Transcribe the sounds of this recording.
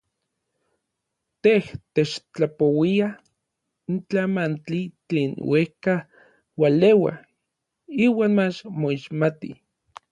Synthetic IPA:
t̪eht̪et͡ʃt͡ɬapowia | int͡ɬamant͡ɬit͡ɬeːnwehka | walewa̰ | iːwaːnmat͡ʃmoiʃmat̪ḭ

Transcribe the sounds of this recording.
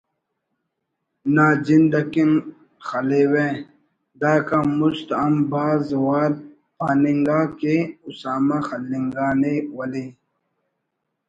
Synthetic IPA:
naːd͡ʑind̪ɐkin | xɐlewẽː | d̪aːkamust̪ɐmbaːzwaːɾ̚ | paːniŋɡaːkeusaːmaxɐlːiŋɡaːnewɐleː

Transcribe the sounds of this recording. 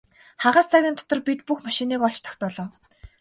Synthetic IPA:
χaʁaːst͡sʰaɣʲiːnt̪ʰɔ̥t̪ɞ̆rpit̪puxmaʃiniːkɔɮt͡ɕt̪ʰɔ̥xʲt̪ɔːɮɔː

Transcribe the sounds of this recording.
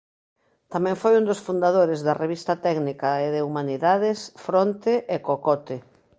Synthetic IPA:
t̪amɛ̃ŋfojund̪osfund̪aðoɾezðɐreβist̪ɐt̪ɛɡnikɐeðeumaniðaðɪsfɾɔnt̪eʔekokɔt̪e

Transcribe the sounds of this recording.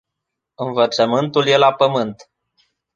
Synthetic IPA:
ɨnvət̪səmɨnt̪ulje̞lapəmɨnt̪

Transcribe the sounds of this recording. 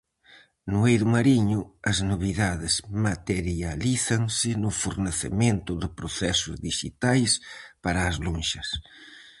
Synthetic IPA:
nʊejðʊmaɾiɲʊɐznoβ̞iðaðɪzmat̪eɾjaliθaŋsɪnʊfuɾneθḛmẽnt̪ʊðɪpɾoθɛsʊzðiʃḭt̪ajspaɾɐːzlõnʃɐs

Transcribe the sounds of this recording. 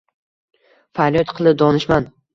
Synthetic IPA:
falˠijɒt̪qʰɨlˠɪp̚d̪ɒnɪʃman

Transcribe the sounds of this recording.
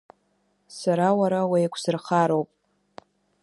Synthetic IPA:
saɾawaɾawajkʷʰsɨrχaɾo̞wpʼ

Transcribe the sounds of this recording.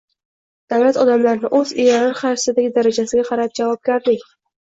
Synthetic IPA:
d̪̥avlat̪ɒd̪amlaɾnɪʔɵzejaɾaɾχɑɾsɪd̪aɡʲɪd̪aɾad͡ʒasɪɡʲaqʰɑɾap̚d͡ʒavɒb̚ɡʲaɾlɪkʲ

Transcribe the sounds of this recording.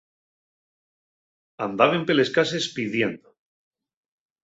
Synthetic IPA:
a̰nd̪aβempele̞skase̞spiðje̞nd̪o

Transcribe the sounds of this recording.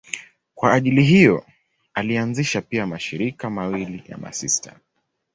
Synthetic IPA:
kwaːʄiliɦijɔ | alianziʃapiamaʃiɾikamawilija̰ma̰sista

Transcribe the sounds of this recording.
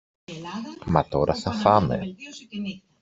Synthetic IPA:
mɐt̪o̞ɾʔɐθɐfɐmḛ

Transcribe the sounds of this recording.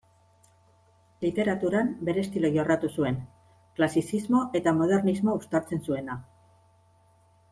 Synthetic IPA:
lit̪e̞ɾat̪uɾambe̞ɾe̞ːst̪iloʝorat̪usue̞ŋ | klasisizmo̞ʔe̞t̪amo̞ð̞e̞rnizmo̞ust̪aɾt͡se̞nsue̞na

